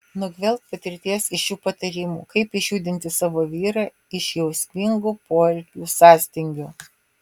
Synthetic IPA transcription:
nʊɡʲʋʲɛlʲˠt̪̚pɐt̪ʲɪɾʲt̪ʲiɛsɪʃjuːpɐt̪ɐɾʲɪmṵːkɐɪpɪʃʲjuːd̪ʲɪnʲt̪ʲɪsɑːʋoːʋʲiːɾɑ | ɪʃjɛʊsʲmʲɪŋɡuːpoːlʲkʲuːsɑːsʲt̪ʲɪŋʲɡʲoː

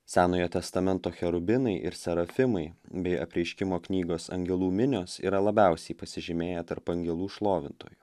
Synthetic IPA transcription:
sʲæːnoːjɛt̪ʲɛst̪ɐmʲɛnt̪oːxʲɛɾʊbʲɪnɐɪʔɪ̰ɾsʲɛɾɐfʲɪmɐɪbʲɛɪɐpʲɾʲɛɪʃʲkʲɪmoːknʲiːɡoːsɐ̰ŋʲɡʲɛlˠuːmʲɪnʲoːsḭːɾɐlˠɐbʲæˑʊsʲɛɪpɐsʲɪʒʲɪmʲeːjɛt̪ɐɾpɐŋʲɡʲɛlˠuːʃlˠoːʋʲɪnt̪o̰ːju

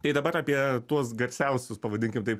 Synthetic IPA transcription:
t̪ɐɪd̪ɐbɐɾɐːpʲiɛt̪uɔs̬ɡɐɾʲsʲɛʊsʲʊspɐʋɐd̪ʲɪŋʲkʲɪmt̪ɐɪp

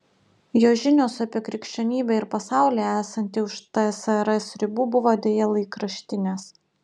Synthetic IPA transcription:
joːʒʲɪnʲoːsɐpʲiɛkɾʲɪkʃʲt͡ʃʲɛnʲiːbʲɛɪɾpɐsɑˑʊlʲeːæːsɐnʲt̪ʲɪʊʃt̪ɐsɐɾɐsʲɾʲɪbuːbʊʋoːd̪ʲeːjɛlˠɐɪkɾɐʃʲt̪ʲɪnʲeːs

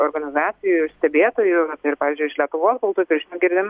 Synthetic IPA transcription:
oɾɡɐnʲɪzɑːsʲɪjʊɪʃsʲt̪ʲɛbʲeːt̪oːjʊt̪ɪɪɾpɑːʋʲiːzʲd͡ʒʲʊɪʃlʲiɛt̪ʊʋoːsbʊlˠt̪uːjpʲɪɾʲʒʲinoɡʲɪɾʲd̪ʲɪm

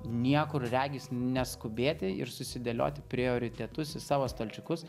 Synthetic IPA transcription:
nʲiɛkʊɾrʲæːɡʲiːsnʲɛskʊbʲeːt̪ʲɪɪ̰ɾsʊsʲɪd̪ʲelʲo̰ːt̪ʲɪpʲɾʲɪoːɾʲɪt̪ʲɛt̪ʊsɪsɑːʋost̪ɐlʲt͡ʃʲʊkʊs

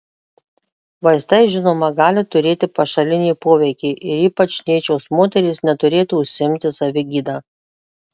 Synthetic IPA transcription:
ʋɐɪst̪ɐɪʒʲɪnoːmɐɡɑːlʲɪt̪ʊɾʲeːt̪ʲɪpɐʃɐlʲɪnʲiːpoːʋʲɛɪkʲeːʔɪɾiːpɐt͡ʃnʲiːt͡ʃʲoːsmoːt̪ʲɛɾʲiːsnʲɛt̪ʊɾʲeːt̪uʊʃʲsʲɪɪmʲt̪ʲɪsɐʋʲɪɡʲiːd̪ɑː

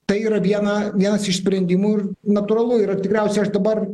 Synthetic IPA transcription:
t̪ɐɪiːɾɐʋʲiɛnɐʋʲiɛnɐsɪʃsʲpʲɾʲɛnʲd̪ʲimuːɪrnɐt̪ʊɾɐlˠʊiːɾɐt̪ʲɪkɾʲɛʊsʲɛɪɐʃd̪ɐbɐr

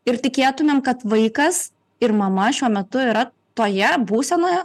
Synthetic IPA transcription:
ɪɾt̪ʲɪkʲeːt̪ʊmʲemkɐt̪ʋɐɪkɐs | ɪɾmɐmɐʃʲuɔmʲɛt̪ʊɪɾɐ | t̪oːjɛbuːsʲɛnoːjɛ

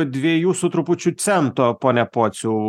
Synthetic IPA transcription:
d̪ʲʋʲijuːsʊt̪ɾʊpʊt͡ʃʲut̪sʲɛnt̪opoːnʲɛpoːt̪sʲu

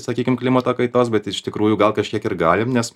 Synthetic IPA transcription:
sɐkʲiːkʲɪmklʲɪmɐt̪oːkɐɪt̪oːsbʲɛt̪ɪʃt̪ʲɪkɾuːjʊɡɐlˠkɐʃʲkʲiɛkɪrɡɑːlʲɪmnʲɛs

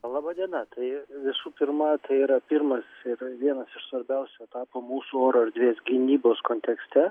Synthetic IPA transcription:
lˠɑːbɑːd̪ʲiɛnɐt̪ɐɪʋʲɪsuːpʲɪɾmɐt̪ɐɪiːɾɐpʲiɾmɐsɪrʋʲiɛnɐsɪʃsʋɐɾʲbʲɛʊsʲoɛt̪ɑːpomuːsuoːɾoːɐɾd̪ʲʋʲeːsɡʲɪnʲiːboːskoːnʲt̪ʲɛksʲt̪ʲɛ

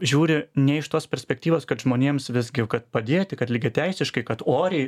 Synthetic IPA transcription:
ʒʲuːɾʲɪnʲɛɪʃt̪oːspʲɛɾʲsʲpʲɛk̚t̪ʲiːʋoːskɐt̪ʒmoːnʲeːmsʋʲɪzʲɡʲɪkɐt̪̚pɐd̪ʲeːt̪ʲɪkɐt̪ʲlʲiːɡʲɪt̪ʲɛɪsʲɪʃkɐɪkɐt̪oːɾʲɛɪ

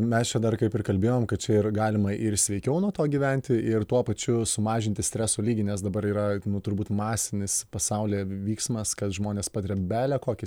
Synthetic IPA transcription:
mʲɛst͡ʃʲɛd̪ɐrkɐɪpɪrkɐlʲbʲeːjoːmkɐt̪̚t͡ʃʲɛɪrɡɑːlʲɪmɐʔɪɾsʲʋʲɛɪkʲɛʊnuɔt̪oːɡʲiːʋʲænʲt̪ʲɪʔɪrt̪uɔpɐt͡ʃʲʊsʊmɑːʒʲɪnʲt̪ʲɪsʲt̪ʲɾʲɛsoːlʲiːɡʲɪnʲɛsd̪ɐbɐɾiːɾɐnʊt̪ʊɾbuːt̪mɑːsʲɪnʲɪspɐsɐʊlʲeːʋʲiːksmɐskɐt̪ʒmoːnʲeːspɑːt̪ʲɐɾʲɛbʲæːlʲɛkoːkʲɪs

